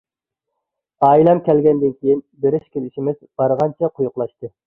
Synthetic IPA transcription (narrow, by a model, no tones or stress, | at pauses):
ɑjlˠɛmkʲʰɛlɡʲɛnd̪ɪnkʲijinbeɾɪʃkʲelɪʃimɪzb̥ɑɾʁɑnt͡ʃʰɛqʰʊjʊqlˠɑʃt̪ɨ